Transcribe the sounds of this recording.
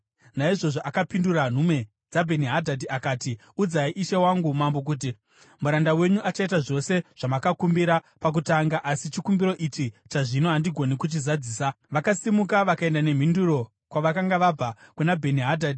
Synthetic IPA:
naiʐo̞ʐo̞ʔakapinduran̤ume̞ | d͡zabʱe̞niɦadʱadiakaːti | ud͡zaiʔiʃewaŋɡumambo̞k̬uːt̬i | muɾandawe̞ɲuʔat͡ʃait̬aʐo̞se̞ʐ̥amakakumbiɾa | pak̬utaŋɡaʔasit͡ʃikumbiɾo̞ʔit͡ʃit͡ʃaʐinoɦandiɡʱo̞nikut͡ʃizad͡ziːsa | ʋakasimukaʋakae̞ndane̞m̤induɾo̞ | kwaʋakaŋɡaʋaakunabʱe̞niɦadʱadi

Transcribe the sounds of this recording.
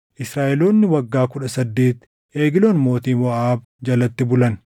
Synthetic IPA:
ʔɪsɾaːʔɛlo̞ːnːɪwɐɡːaːkʊᶑɐsɐd̪ːeːt̪ | ʔe̞ːɡɪloːnmo̞ːt̪iːnwɐʔaːb | d͡ʒɐlɐt̪ːɪbʊlɐn

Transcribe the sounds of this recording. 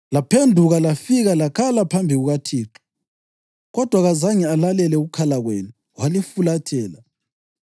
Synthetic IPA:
lapʰendʱuɣalafiɣalakʰalapʰambʱiɣuɣatʰiːǁɔ̥ | ɣɔd̥ʱwaɣazaŋɛalalɛlɛuɣukʰalaɣwenu | walifulatʰɛːla

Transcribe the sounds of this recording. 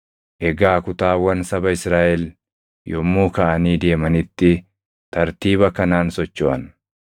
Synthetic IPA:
ʔɛɡaːkʊt̪aːwɐnsɐbɐɪsɾaːʔɛl | jɔmːuːkɐʔɐniːd̪e̞ːmɐnɪt̪ːɪ | t̪ɐɾt̪iːbɐkɐnaːnsɔt͡ʃːoʔɐn

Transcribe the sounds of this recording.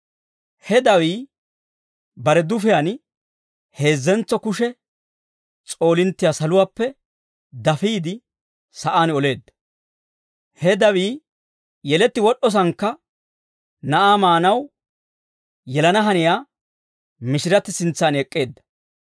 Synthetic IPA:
hɛd̪ɐwiː | bɐɾɛd̪ʊfɪjan | he̞ːzːɛnt͡sːɔkʊʃɛ | t͡sʼo̞ːlɪnt̪ːɪjaːsɐlʊwaːpːɛ | d̪ɐfiːd̪ɪ | sɐʔaːnɔle̞ːd̪ːɐ̥ | hɛd̪ɐwiː | jɛlɛt̪ːɪwɔɗɔs̬ɐŋkːɐ | nɐʔaːmaːnɐw | jɛlɐnɐɦɐnɪjaː | mɪʃɪɾɐt̪ːɪsɪnt͡sːaːnɛkʼːe̞ːd̪ːɐ̥

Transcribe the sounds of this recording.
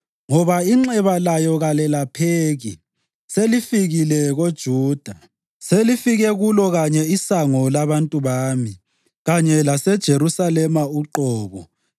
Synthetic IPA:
ŋɔβaiŋ͡ǁɛβalajɔɣalɛlapʰeːɣḭ | selifiɣilɛɣod̥ʒ̥ʱuːd̥ʱa | selifiɣɛɣulɔɣaɲɛisaŋɔlaβantʼuβaːmi | ɣaɲɛlasɛd̥ʒ̥ʱeɾusalɛmauǃɔːβɔ

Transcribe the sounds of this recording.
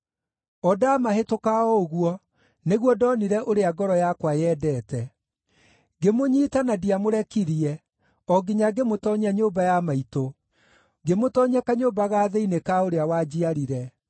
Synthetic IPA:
ɔdaːmaɦetokaɔoɣwɔ | neɣwɔdɔniɾɛʔoɾeaɡɔɾɔjakwajɛːdɛːtɛ | ɡemoɲitanadiamoɾɛkiɾiɛ | ɔɡiɲaɡemotɔɲaɲoːbajamaito | ɡemotɔɲakaɲobaɣaːðeinekaoɾeawad͡ʑiaɾiɾɛ

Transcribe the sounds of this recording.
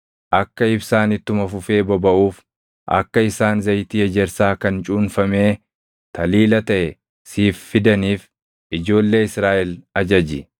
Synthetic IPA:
ʔɐkːɐɪbsaːnɪt̪ːʊmɐfʊfe̞ːbɔbɐʔuːf | ʔɐ̰kːɐɪsaːnzɐjt̪iːɛd͡ʒɛɾsaːkɐnt͡ʃʼuːnfɐme̞ː | t̪ʰɐliːlɐt̪ɐʔɛ | siːfːɪd̪ɐniːf | ʔɪd͡ʒo̞ːlːe̞ːɪsɾaːʔɛlɐd͡ʒɐd͡ʒɪ

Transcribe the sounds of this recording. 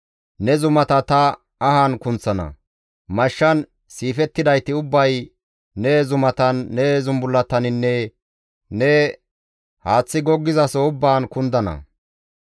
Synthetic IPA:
nɛzʊmɐt̪ɐt̪ɐː | haːnkʊnt͡sːɐnɐ̰ | mɐʃːɐn | siːfɛt̪ːɪd̪ɐjt̪ɪʊbːɐj | nɛzʊmɐt̪ɐnːɛzʊmbʊlːɐt̪ːɐnɪnːɛ | nɛ | haːt͡sːɪɡɔɡːɪzɐsoʊbːaːnkʊnd̪ɐnɐ̰

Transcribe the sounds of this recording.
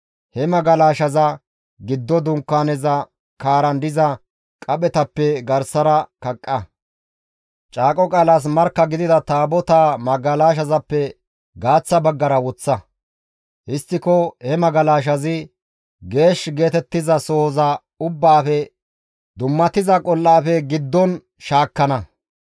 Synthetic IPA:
hɛmɐɡɐlaːʃɐzɐ | ɡɪd̪ːɔd̪ʊŋkːaːnɛzɐ | kaːɾɐnd̪ɪzɐ | kʼɐɓɛt̪ɐpːɛɡɐɾsɐɾɐkɐkʼːɐ | t͡ʃʼaːkʼɔkʼaːlaːs̬mɐɾkːɐɡɪd̪ɪd̪ɐt̪aːbɔt̪aːmɐɡɐlaːʃ̬ɐzɐpːɛ | ɡaːt͡sːɐbɐɡːɐɾɐwɔt͡sːɐ | ɪst̪ːɪkɔhɛmɐɡɐlaːʃ̬ɐzɪ | ɡe̞ːʃɡe̞ːt̪ɛt̪ːɪzɐsɔhɔzɐ | ʊbːaːfɛ | d̪ʊmːɐt̪ɪzɐkʼɔlːaːfɛɡɪd̪ːɔn | ʃaːkːɐnɐ

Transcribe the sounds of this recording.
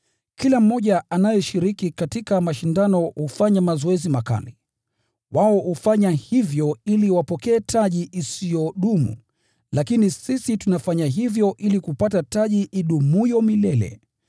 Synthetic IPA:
kilam̩ːɔʄaanajɛʃiɾikikatikamaʃindanɔhufaɲamazɔɛzimaka̰li | waɔhufaɲahivjɔiliwapɔkɛːtʰaʄiʔisijɔɗumṵ | lakinisisitunafaɲaɦivjɔʔilikupatataʄiʔːɗumujɔmilɛlɛ̰

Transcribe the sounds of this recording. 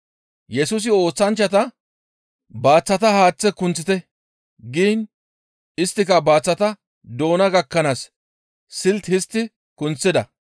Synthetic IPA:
jɛsuːs̬ɪo̞ːt͡sːɐnt͡ʃːɐt̪ɐ | baːt͡sːɐt̪ɐhaːt͡sːɛkʊnt͡sːɪt̪ɛ | ɡiːn | ɪst̪ːɪkɐbaːt͡sːɐt̪ɐ | d̪o̞ːnɐɡɐkːɐnaːs | sɪlt̪hɪst̪ːɪ | kʊnt͡sːɪd̪ɐ̰

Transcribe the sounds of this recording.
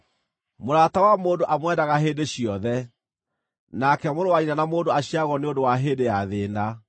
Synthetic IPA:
moɾatawamoːndoʔamwɛndaɣaɦeːdeɕijɔðɛ | nakɛmoːdowainanamoːndoaɕiaɣɔneondowaɦeːdejaðeːnda

